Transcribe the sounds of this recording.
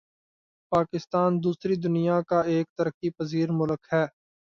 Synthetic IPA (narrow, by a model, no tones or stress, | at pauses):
paːkɪst̪aːnd̪uːsɾid̪ʊnijakaeːk̚t̪ɐɾəkipəziːɾmʊləkhɛː